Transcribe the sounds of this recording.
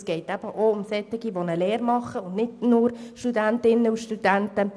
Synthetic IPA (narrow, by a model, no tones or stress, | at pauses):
sɡ̥ɛɪtæb̥əʔoʊmsɛtɪɡiʋonəleːɾmɑχːəʊndnɪdnʊɾʃtudæntɪnːəuʃtud̥æntə